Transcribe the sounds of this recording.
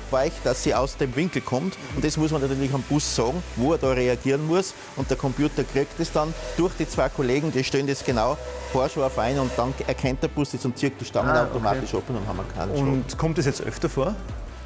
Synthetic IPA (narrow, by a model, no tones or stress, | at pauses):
vaɪçd̥asːiːaʊsd̥eːmvɪŋkl̩kʰɔmt | ʊnt̚d̥esmʊs̬mɐnatyɐlɪçamb̥ʊsːɑːɡŋ̩voɛːɐdɑːʁeaɡ̥iːʁnmʊəs | ʊnt̚d̥eɐkʰɔmpjuːtɐɡʁɪktesd̥ɑnd̥ʊɐxd̥iːt͡sv̥aɪkʰoleːɡŋ̩d̥iːʃteːndesɡ̥enaʊfoɐʃfaɪnʊntd̥ɑnɛɐkʰɛnt̚d̥əɐb̥ʊsd̥isʊnt͡sɪɐk̚td̥iʃtɑŋənaʊtoma̰ːtɪʃʔɔpʊndɑ̃nhɑ̰mɐkʰa̰ɪnʃʊntkʰɔmtdesjɛt͡stʔœ̰ftɐfoːɐ